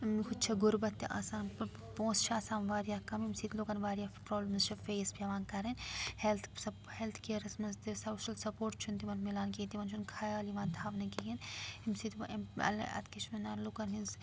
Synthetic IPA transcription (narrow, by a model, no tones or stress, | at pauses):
mkʰut͡ʃʰɐɡʊɾbɐt̪ːiʔa̰ːsaːn | põːst͡ʃʰaːsaːnʋaːɾijaːkɐmimsit̪ʰlokɐnʋaːɾijapɾoːblmzt͡ʃʰɐfeːspiɐʋaːnkɐɾenhelt̪ʰsɐ | helt̪ʰkiɐɾɐsmɐzt̪isɐːʃɐlsɐpoːɾʈt͡ʃʰunt̪imɐnmilaːnkint̪iʋɐnt͡ʃʰunkʰaːjaːliʋãːnt̪ʰaːʋnɐkijinimsit̪ʰɐ̰lɐ̰t̪kit͡ʃʰmɐnaːlukɐnɦinz